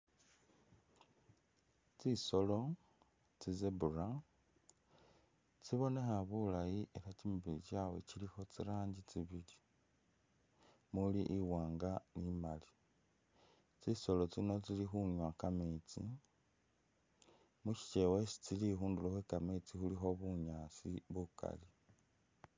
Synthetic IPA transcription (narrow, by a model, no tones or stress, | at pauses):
t͡siso̞lo̞ | t͡sizebura | t͡siβo̞ne̞xaβulajiʔeɾat͡ʃimiβilit͡ʃaːwe̞t͡ʃilixo̞t͡siɾaːɲɟit͡siβili | muliʔiwaːŋɡanimali | t͡siso̞lo̞t͡sino̞t͡silixuɲwakamet͡sḭ | muʃi̥t͡ʃe̞wesi̥t͡silixuːnduloxwekamet͡sixulixo̞βuɲaːsiβuka̰li